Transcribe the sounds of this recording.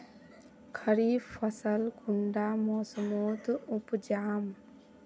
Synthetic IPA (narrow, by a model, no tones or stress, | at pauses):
kʰəɾiːfəsəlkuɳɖaːmɔːsəmoːt̪upd͡ʒaːm